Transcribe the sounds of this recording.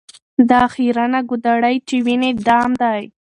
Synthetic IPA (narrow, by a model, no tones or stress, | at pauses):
d̪ɑxiɾanaɡʊd̪aɽajt͡ʃewined̪ɑmd̪aj